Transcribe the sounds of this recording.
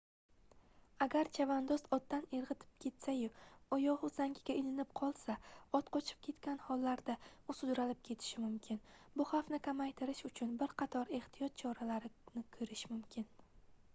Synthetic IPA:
aɡʲaɾt͡ʃʰavand̪ɒsɒt̪ːaneɾʁɨt̪ʰɪ̥p̚kʲʰe̞t̪sajʊɒjɒʁʊzaŋɡʲɪɡʲaɪlɪnɪp̚qʰɒlˠsaɒt̪qʰɒt͡ʃʰɪ̥p̚kʲʰe̞t̪kʲanhɒlːaɾd̪aʊsʊd͡ʒɾalɪp̚kʲʰe̞t̪ʰɪ̥ʃɪmʊmkʲʰɪnbʊχafnɪkʲʰamajt̪ʰɪɾɪʃʊt͡ʃʰʊnbɪɾqʰɑt̪ʰɒɾe̞ht̪ʰijɒt̪̚t͡ʃʰɒɾalaɾɪnɪkʰɵɾɪʃmʊmkʲʰɪn

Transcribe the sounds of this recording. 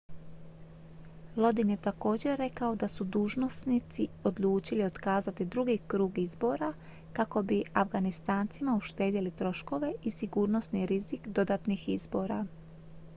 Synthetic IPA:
lˠo̞d̪inje̞t̪ako̞ːd͡ʑe̞ːe̞kao̞d̪asud̪uːʒno̞snit̪sio̞d̪luːt͡ʃilio̞t̪kaːzat̪id̪ɾuɡikɾuːɡizbo̞ɾa | kako̞biafɡanist̪aːnt̪simauʃt̪e̞ːd̪ilit̪ɾo̞ʃko̞ʋe̞isiɡuːɾno̞sniɾizikd̪o̞d̪at̪nixizbo̞ːɾa̰

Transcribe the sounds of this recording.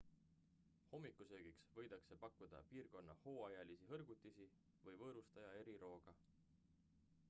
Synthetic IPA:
ho̞mːikːˑusø̞ːɡ̥iksvɤ̞jd̪̥ɑkse̞pɑkːud̪̥ɑ̰piːrko̞nːɑho̞ːɑjɑlisiɦɤrɡ̥ut̪ʲːˑisi | vɤjvɤːɾust̪ɑjɑe̞ɾiɾo̞ːɡ̥ɑ

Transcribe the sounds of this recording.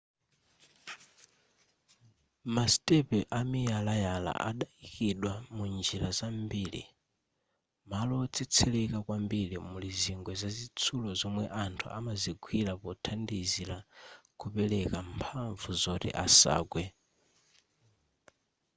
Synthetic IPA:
mastɛpɛʔamijalajala̰ʔa̰ɗaikiɗwamund͡ʒilazambiːlḭ | malɔt͡sʰɛt͡sʰɛlɛkakwambilimuliziŋɡwɛzazit͡sʰulɔzɔmwɛʔantʰṵʔamaziɡʰwilapɔtʰandizilakupɛlɛkampʰaɱvuzɔtɛ̰ʔasa̰ːɡwɛ

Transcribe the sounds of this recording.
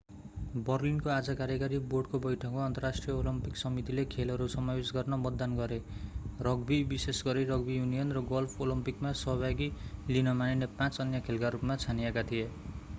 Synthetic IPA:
bʌrlinkoad͡zʌkaɾjʌkaɾiboɖkobʌjʈʰʌkmaʌnt̪ʌrasʈrijʌolʌmpiksʌmit̪ilekʰelɦʌɾusʌmabisɡʌrnʌmʌd̪ːanɡʌɾerʌɡbibisesɡʌɾirʌɡbijunijʌnrʌɡʌlpʰolʌmpikmasʌɦbʱaɡilinʌmaninepãt͡sʌnjʌkʰelkaɾupmat͡sʰanijekat̪ʰije

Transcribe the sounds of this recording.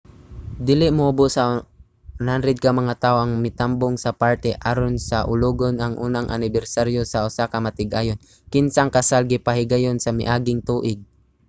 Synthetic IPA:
d̪ɪlɪʔmʊʔʊbosa | nhanɾɛd̪̚kɐmɐŋat̪aːʔoʔɐŋmɪt̪amboŋsɐpaɾt̪ɛʔaɾonsɐʔʊluːɡonɐŋʔuːnaŋʔa̰nɪbɛɾsaɾjosɐʔʊsakɐmɐt̪ɪɡʔaːjon | kɪnsaŋkɐsalɡɪpahɪɡajonsɐmɪ̰ʔaːɡɪŋt̪uːʔɪɡ̚

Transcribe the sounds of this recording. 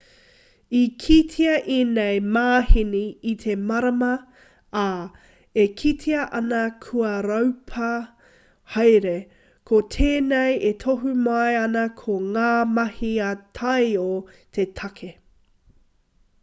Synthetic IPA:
ikʰitʰiɐʔinejmaːhiniːt̪ʰemɐɾɐmɐ | aː | ekʰitʰiɐʔɐnɐkʰuɐɾɐwpʰɐ | hɐjɾe | kʰotʰeːnejet̪ʰoɦumajɐnɐkʰoŋaːmɐhiɐtʰɐjot̪ʰetʰɐkʰe

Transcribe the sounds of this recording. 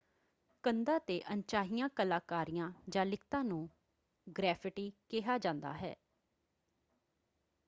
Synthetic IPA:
kənd̪aːt̪eːʔənt͡ʃaːɦijãːkəlaːkaːɾijãːd͡ʒãːlɪkʰt̪ãːnũː | ɡɾɛːpʰɪʈiːkɪɦaːd͡ʒãːnd̪a̰ːɦɛ̰ː

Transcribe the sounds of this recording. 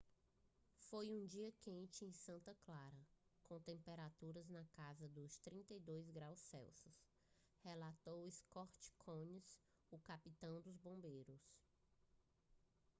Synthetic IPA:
fojũd͡ʒiɐkẽnt͡ʃɪẽj̃sɐ̃nt̪ɐklaɾɐkõt̪ẽmpeɾat̪uɾɐznɐkazɐd̪ʊst̪ɾĩnt̪ɐjd̪ojzɡɾawsːɛ̰wsʊs | helat̪owiskɔɾt͡ʃi̥kʰõɲis | ʊkapit̪ɐ̃w̃d̪ʊzbõmbejɾʊs

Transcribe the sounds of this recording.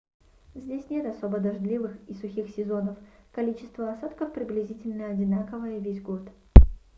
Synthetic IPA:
zʲdʲesʲnʲe̞t̪ɐso̞bəd̪ɐʐd̪lʲivɨxisʊxʲixsʲɪzo̞nəfkɐlʲit͡ɕɪ̥st̪vəɐsat̪kəfpɾʲɪblʲɪzʲitʲɪlʲnəɐdʲɪnakəvəjəvʲezʲɡort̪

